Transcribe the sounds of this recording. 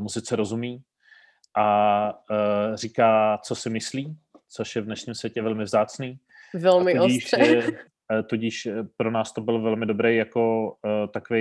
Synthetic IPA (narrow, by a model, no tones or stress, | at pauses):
muzɪt͡sɛɾo̞zumiː | ʔa | r̝iːkaːt͡so̞sɪmɪsliː | t͡so̞ʃjɛvdnɛʃɲimsvjɛcɛvɛlmɪvzaːt͡sniː | vɛlmɪoiʃɛ | t̪oɟɪʃpɾonaːst̪o̞bɪlvɛlmɪdobɾejjako̞t̪akove